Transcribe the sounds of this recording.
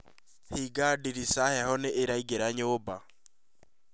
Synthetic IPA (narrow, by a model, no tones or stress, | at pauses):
hiɡadiɾisahɛhɔneʔeɾaiɡeɾaɲoba